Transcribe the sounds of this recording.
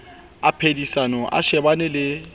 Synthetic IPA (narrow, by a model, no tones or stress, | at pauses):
apʰedisanɔʔa̰ʃɛbanɪlɪ